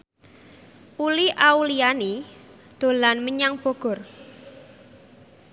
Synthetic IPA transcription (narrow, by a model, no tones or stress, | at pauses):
ʔuliʔauliani | d̪̥o̤lanməɲaŋb̥o̤ɡ̥ɔ̤r